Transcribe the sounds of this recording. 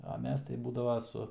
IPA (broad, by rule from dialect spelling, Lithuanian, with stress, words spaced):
ɐ ˈmʲɛs tɐɪ ˈbuːdɐʋoː ˈsʊ